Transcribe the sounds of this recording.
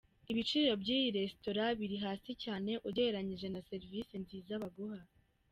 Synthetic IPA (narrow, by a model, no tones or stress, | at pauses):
iβit͡ʃiːɾo̞bɟiːjiɾe̞sto̞ɾaβiɾiɦaːsicaːne̞ʔuɟe̞ɾaɲiʒe̞nase̞ɾvisinziːzaβaɡuha